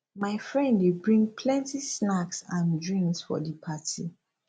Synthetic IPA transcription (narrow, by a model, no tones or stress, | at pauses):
maɪfɹɛ̃ndwibɹĩŋpʰlɛ̃ntisnaksãndɹĩŋksfɔ̰dipʰati